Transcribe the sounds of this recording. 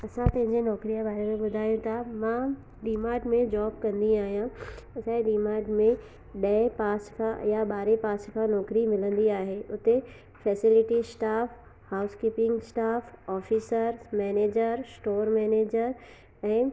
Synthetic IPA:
ɐsãt̪ɐ̃ɦɪ̃ɲd͡ʑenɔːkɾijãbaːɾemẽɓʊd̪ʱaːjõt̪ʰamã | ɖiːmaːɖmẽd͡ʑɔːbkɐ̃nd̪iaːɦijãɐsãeɖiːmaːɖmẽ | ɗɐepaːskʰãjaɓaːɾepaːskʰãnɔːkɾimɪlə̃nd̪iaːɦeːʔʊt̪e | fɛːsɪlɪʈisʈaːf | haːʊskiːpɪ̃ŋɡsʈaːfɔːfiːsəɾmɛːneːd͡ʑəɾsʈoːɾmɛːneːd͡ʑəɾ | ɛ̃ː

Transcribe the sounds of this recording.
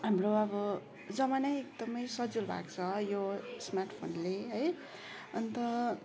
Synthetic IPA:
ɦamroʌbʌ | d͡zʌmanʌjekd̪ʌmʌjsʌd͡zulbʱa̰kt͡sʰʌjosmarʈʰpʰo̰nleɦʌj | ʌnt̪ʌ

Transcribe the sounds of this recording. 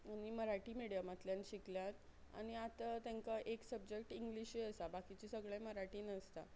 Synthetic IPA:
añiməɾaʈiːmiɽijamat̪ljanɕikljat̪ | a̰ɽ̃iat̪ət̪jãŋkaʔeksəbd͡ʑek̚ʈiŋɡliɕiəsabakit͡ɕisəɡɭẽməɾaʈiːnəst̪a̰

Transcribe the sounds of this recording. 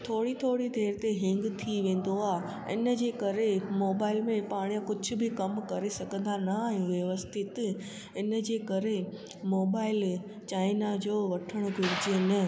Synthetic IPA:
t̪ʰoːɽit̪ʰoːɽid̪ʱeːɾt̪eɦɪ̃ŋɡt̪ʰiʋẽːn̆d̪oaːɦ | ɪ̰nə̆d͡ʑeːkɐɾemoːbaːɪlmẽpaːɽ̃ijãkʊd͡ʑʱʊ̆bɪkɐmkɐɾesɐɡʱə̃nd̪anɐaːɦijũʋjɐʋəst̪ʰɪt̪ | ɪnəd͡ʑeːkɐɾe | moːbaːɪl | t͡ɕaːɪnad͡ʑoːʋɐʈʰəɽ̃ʊɡʱɪɾɪd͡ʑienɐ

